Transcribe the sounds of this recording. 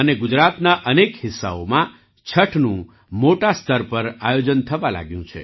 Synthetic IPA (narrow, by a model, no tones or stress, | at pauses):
əneɡʊd͡ʒɾat̪naʔənekhɪsːa̰omã | t͡ʃʰəʈʰnũ | moʈast̪ʰəɾpəɾajod͡ʒənt̪ʰəʋala̰ɡjũt͡ʃʰḛ